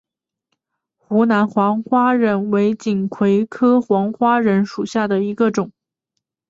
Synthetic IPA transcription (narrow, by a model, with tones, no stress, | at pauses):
xu˧˥na˧˥nxwɑ˧˥ŋxwa˥ɻə˧˥nwe˧˥ɪt͡ɕi˨˩nkʰwe˧˥ɪkʰɤ˥xwɑ˧˥ŋxwa˥ɻə˧˥nʂu˨˩ɕja˥˩d̪ə˩i˧˥ɡə˧ʈ͡ʂʊ˨˩˦ŋ